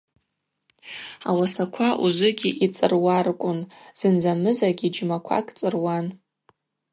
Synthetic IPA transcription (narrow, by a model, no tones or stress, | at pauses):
a̰wasakʷʰaʔuʒʷʊɡʲiʔit͡sʼɨ̰rwarkʷʼʊnz̥ɨnd͡zamɨzaɡʲid͡ʒmakʷʰa̰kʼt͡sʼɨrwan